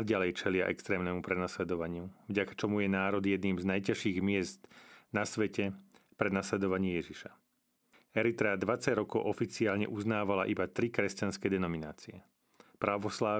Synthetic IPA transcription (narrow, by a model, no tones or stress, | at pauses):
ɟalɛjt͡ʃɛlɪaʔɛ̰kst̪ɾɛːmnɛmupɾɛnaslɛd̪ɔʋaɲɪuvɟakḁt͡ʃɔmujɛnaːɾɔd̪ijɛd̪niːmznajcaʃiːɣmɪɛzt̪nasʋɛcɛ | pɾɛnaslɛd̪ɔʋaɲɪɛjɛʒiʃa | ɛɾit̪ɾɛad̪ʋat͡saɟɾɔkɔʊʔɔfit͡siaːlɲɛ̰ʔuznaːʋalaʔibat̪ɾikɾɛscanskɛd̪ɛnɔminaːt͡siɛ | pɾaʋɔslaː